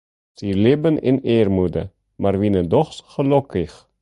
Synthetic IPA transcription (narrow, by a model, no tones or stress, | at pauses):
silɪbənʔɪ̰neːrmudə̰ | marʋinədɔχsχəlɔkɪx